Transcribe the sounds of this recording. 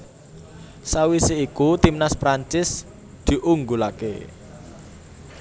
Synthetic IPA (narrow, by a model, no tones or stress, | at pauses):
sawiseikut̪imnaspɾaɲt͡ʃɪs | d̪̥i̤ʔuŋɡulakḛ